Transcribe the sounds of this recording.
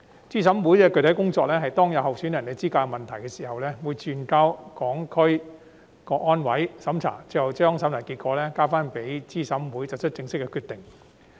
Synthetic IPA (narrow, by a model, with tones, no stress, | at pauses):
t͡siː˥sɐ˨˥mwuː˨˥jkɛː˧kɵ˨˧ɥt̪ʰɐ˨˥jkʊ˥ŋt͡sɔː˧k̚lɛː˥ɦɐ˨jt̪ɔː˥ŋjɐ˨˧whɐ˨wsyː˨˥njɐ˨˩nːe˨˧t͡siː˥kaː˧mɐ˨nt̪ʰɐ˨˩jkɛː˧siː˨˩hɐ˨wlɛː˥wuː˨˧jt͡ʃyː˨nkaː˧wkɔː˨˥ŋkʰɵ˥ɥ | kɔː˧k̚ːɔː˥nwɐ˨˥jsɐ˨˥mt͡sʰa̰ː˨˩ŋt͡sːɐ˨˩wt͡ʃœː˥ŋsɐ˨˥mja˨˩nkiː˧t̚kɔː˨˧˥lɛː˥kaː˥faː˥npe˨˥jt͡siː˥sɐ˨˥mwuː˨˥jt͡sɐ˨˩t͡ʃʰt̚t͡sɪ˧ŋsɪ˥kːɛ˧kʰyː˧t̪ɪ˨˩ŋ